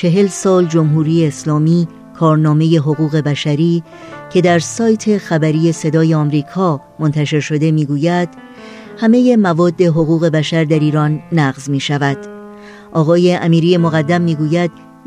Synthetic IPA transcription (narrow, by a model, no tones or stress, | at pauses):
t͡ʃʰe̞ɦe̞lsɒːld͡ʒo̞mɦuːɾiːjeːslɒːmiː | kʰɒːɾnɒːme̞je̞ɦo̞ɣuːɣe̞bæʃæɾiː | cʰe̞d̪æɾsɒːjt̪ʰe̞xæbæɾiːje̞se̞d̪ɒːjeɒːmɾiːkʰɒː | mont̪ʰæʃe̞ɾʃo̞d̪e̞miːɡuːjæd̪̥ | hæme̞je̞mævɒːd̪ːe̞ɦo̞ɣuːɣe̞bæʃæɾd̪æɾiːɾɒːnːæɣzmiːʃævæd̪̥ | ʔɒːɣɒːje̞ʔæmiːɾijemo̞ɣæd̪ːæmːiːɡuːjæd̪̥